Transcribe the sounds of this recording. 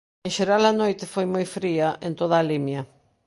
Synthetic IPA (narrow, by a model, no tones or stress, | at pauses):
ẽnʃeɾalɐnojt̪ɪfojmojfɾiɐʔent̪oð̞aːlimjɐ